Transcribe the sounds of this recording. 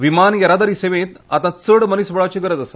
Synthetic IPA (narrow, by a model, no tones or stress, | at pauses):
ʋimanjɐɾad̪aɾiːseʋẽt̪a̰t̪ãt͡səɽmənisʋəɭat͡ɕeɡəɾəd͡zəsə